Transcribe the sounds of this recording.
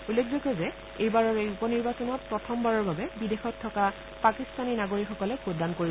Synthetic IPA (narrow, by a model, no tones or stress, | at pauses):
ulːekʰzokɔzɛ | ejbaɹɔɹeupɔniɹbasɔnɔt̚pɹɔtʰɔmbaɹɔɹbabɛbidexɔtʰːɔka | pakist̪aninaɡoɹikxɔkɔlɛkudankoɹi